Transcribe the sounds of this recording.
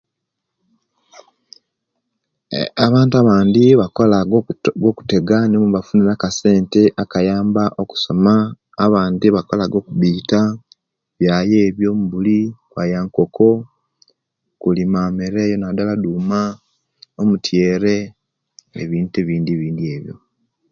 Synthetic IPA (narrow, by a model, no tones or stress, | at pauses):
aβaːntuaβaːndiβakolaɡo̞ku̥te̞ɡanimuβafuniɾakase̞ːnte̞ʔakajaːmbaʔo̞ku̥so̞maː | βaːndiβako̞laɡo̞kuβiːta | βjaːje̞ːβjo̞ːmuβulikwajaŋko̞kʰo̞ | kulimaːmeɾeːjonadaladuːma | omutjeːɾe̞ | ḛβiːnteβiːndiβiːndie̞ːβjo̞̰